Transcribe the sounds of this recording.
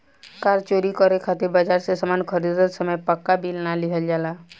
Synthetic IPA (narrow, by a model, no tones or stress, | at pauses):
kaɾt͡ʃoɾikɔɾekʰat̪iɾbad͡ʒaɾsesəmankʰəɾid̪ɾət̪səməjpəkːabʱilnaliɦəld͡ʒala